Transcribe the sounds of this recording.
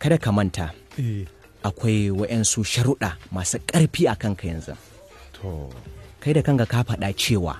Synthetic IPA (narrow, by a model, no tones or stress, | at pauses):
kɐdakɐmɐnta | ʔakʷajwɐɗɛnsuʃɐɾʊɗaːmaːsuːkʼɐɽɸiːʔakɐŋkajɪ̰nzɪ̰ŋ | tʰokajdakɐŋɡakaɸɐɗat͡ʃeːwa̰ː